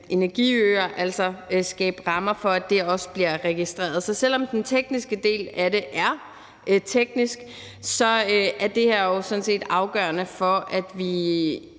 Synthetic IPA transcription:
e̝næɐɡ̥ḭøːɐʔæl̰sɒsɡ̥ɛ̰ːb̥ʁɑ̈mɐfɒ̽æd̥e̝ɒ̽sə̥b̥liɐʁɛɡ̥isd̥ʁḛːɐðˠsɒ̽sel̰ɒ̽md̥ent͡sʰeɡ̥nisɡ̥əd̥e̝̰ːlæɾe̝ʔæɐ | ʔt͡sʰeɡ̥nisɡ̥ | sɒ̽øæɐd̥e̝hæɐ̰josɔ̽nse̝̰ːd̥ɑ̈ʊɡ̥ɶːɐnəfɒ̽æd̥ʋi

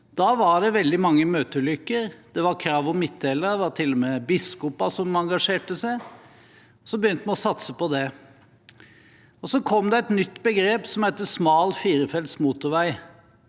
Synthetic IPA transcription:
d̪̥ɑːʋɑɖɛʋɛld̪ɪmɑŋːəmøːt̪əʉlʏkːəɾd̪̥ɛʋɑɾkʰɾɑːʋɔmɪt̪ʰːeləɾdɛʋɑɾʈ̪ʰɪlːɔmɛbɪskɔpɑsɔmɑŋɡɑʂeːʈəsæɪ | ɔsɔbəjʏnt̪əmɛnɔsɑt̪səpɔd̪ɛ | ɔsɔkʰɔmd̪ɛɛt̪nʏt̪ːbəɡɾeːpsɔmhæɪt̪ːəsmɑːlfiːɾəfɛlt̪smuːt̪ʊɾʋæɪ

